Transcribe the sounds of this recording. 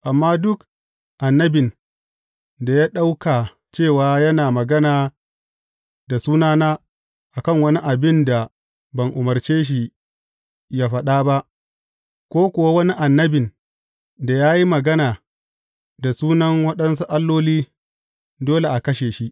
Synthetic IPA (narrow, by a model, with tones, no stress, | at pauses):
ʔa˨mːaː˦dʊ˦k | ʔa˨nːɐ˦bɪ˨n | da˨jaː˦ɗa˦wkaː˨ | t͡ʃeː˦˨waː˦jɐ˦naː˨mɐ˨ɡɐ˦naː˨ | da˨suː˦naː˦naː˦ | ʔa˨kɐ˦˨ŋwɐ˦ni˦ʔa˨bɪ˦nda˨ | bɐ˨ŋʔʊ˨mɐ˨rt͡ʃeː˦ʃ̬i˦ | jaː˦ɸɐ˦ɗaː˦ba˦ʔ | kʷoː˦kʷʊ˨wa˦wɐ˦ni˦ʔa˨nːɐ˦bɪ˨n | da˨jaː˦ji˦mɐ˨ɡɐ˦naː˨ | da˨suː˦nɐ˦ŋwɐ˦ɗɐ˦nsu˦ʔa˦lːoː˦liː˦ | doː˦le˨ʔa˨kɐ˦ʃeː˨ʃi˦ʔ